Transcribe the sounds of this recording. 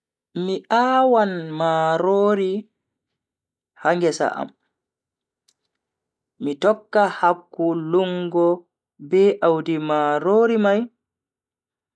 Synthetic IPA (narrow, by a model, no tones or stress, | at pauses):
miʔaːwanmaːɾoːɾi | haŋɡɛsa̰ʔa̰m | mitɔkːahakːuluŋɡɔ | bɛʔawdimaɾoːɾimaj